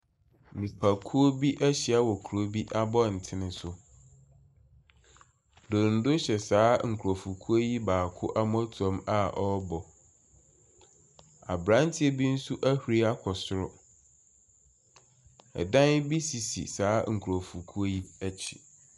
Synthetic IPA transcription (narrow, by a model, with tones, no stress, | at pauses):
mĩ˨pʰa˨kʰu˦o˦bi˦ʔæ˦ɕɪ˨a˦wɔ˨kʰu˨ɾo˦bi˦ʔa˦bɔ˦˨n̩˨tʰɪ˦nɪ̃˦sʊ˦ | do˨n̩˨dʊ˦ɕɛ˨saː˦ŋ̩˨kʰo˨fu˨kʰu˦o˦ji˦baː˨kʰʊ˦ʔa˦m˦ɔ̃˦tʰɔ̃˦ma˦ʔɔ˦bɔ˨ | a̰˨bɾã˦n˦tʰɪ˦e˨bi˦n̩˦su˦ʔæ˦hu˨ɾi˦a˦kʰɔ˨sʊ˨ɾʊ˦ | ɛ̰˨dã˦n˦bi˦si˨sḭ˨saː˨˦ŋ̩˨kʰu˨ɾo˨fu˨kʰu˦o˦ji˦æ˦t͡ɕʰi̥˨